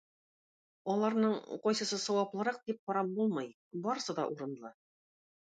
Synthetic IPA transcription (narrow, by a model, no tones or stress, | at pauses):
ɒlˠɑɾnɤɴqɒjsɤ̆sɤsɒ̆wɑplˠɤ̆ɾɑq̚d̪ip̚qɒɾɑmbulˠmɤj | bɒɾɤ̆sɤd̪ɒ̰ʔuɾɤ̆nlˠɤ